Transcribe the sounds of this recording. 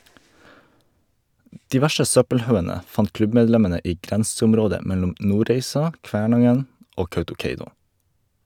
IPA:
ˈdiː ˈʋæʃə ˈsœpəlˌhɑʉənə ˈfɑnt ˈklʉbmɛdˌlɛmənə ˈiː ˈɡɾɛnsʊmˌɾoːdə ˈmɛlʊm ˈnuːɾeɪsɑ ˈkʋæːɳɑŋən ˈoː ˈkɑʉtʊˌkeɪnʊ

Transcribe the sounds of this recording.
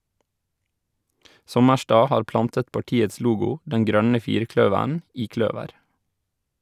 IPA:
ˈsɔməʃtɑː ˈhɑːɾ ˈplɑntət pɑˈʈiːəs ˈluːɡʊ ˈdɛn ˈɡɾœnə ˈfiːɾˌkɽœʋæɳ ˈiː ˈkɽœʋəɾ

